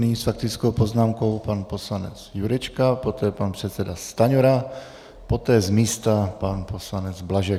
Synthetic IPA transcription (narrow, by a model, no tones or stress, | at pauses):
niːsfak̚t̪ɪt͡skowpo̞znaːmko̞wpanpo̞slanɛ̰t͡sjuɾɛt͡ʃkapo̞t̪ɛːpanpr̝̥ɛt̪sɛdast̪aɲoɾa | po̞t̪ɛːzmiːst̪apanpo̞slanɛd͡zblaʒɛ